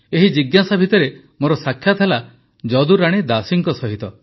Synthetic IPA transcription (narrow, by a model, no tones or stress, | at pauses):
eɦid͡ʒiɡjasabʱit̪ɔɾe | moɾɔsakʰːjat̪ʰala | d͡ʒɔd̪uɾaɽ̃id̪asiŋkɔsɔɦit̪ɔ